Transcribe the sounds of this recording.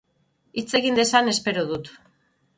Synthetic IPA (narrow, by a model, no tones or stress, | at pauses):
it͡se̞ɣind̪e̞sane̞spe̞ɾoðut̪